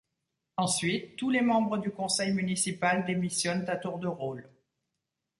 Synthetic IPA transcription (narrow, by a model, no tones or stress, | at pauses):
ɑ̃sɥit̪ːulemɑ̃bʁəd̪ykɔ̃sɛjmynisipald̪emisjɔnt̪ãt̪uʁd̪əʁol